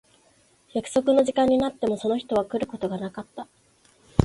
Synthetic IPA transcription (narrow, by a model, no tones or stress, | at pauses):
jakɯ̟̥so̞kɯ̟no̞ʑikãɲ̟ːinat̪ːe̞mo̞so̞no̞çi̥t̪o̞β̞akɯ̟ɾɯ̟ko̞t̪o̞ɡanakat̪ːa